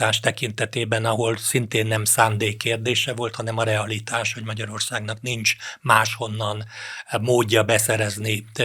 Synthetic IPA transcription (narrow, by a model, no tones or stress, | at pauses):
aːʃt̪ɛkin̪t̪ɛt̪eːbɛnɒɦo̞lsint̪eːnːɛmsaːnd̪eːkːeːrd̪eːʃɛvo̞lt̪hɒnɛmɒɾɛɒlit̪aːʃhoɟmɒɟɒɾo̞rsaːɡnɒknint͡ʃmaːʃho̞nːɒnmoːɟːɒbɛsɛɾɛzni